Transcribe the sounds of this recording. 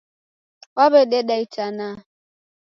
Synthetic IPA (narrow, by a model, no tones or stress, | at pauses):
waβɛɗɛɗait͡ʃana